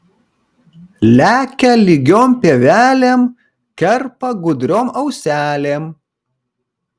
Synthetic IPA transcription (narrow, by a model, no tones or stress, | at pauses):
lʲæːkʲɛlʲɪɡʲoːmʲpʲeːʋʲæːlʲeːm | kʲɛɾpɐɡʊd̪ʲɾʲoːmɐʊsʲæːlʲeːm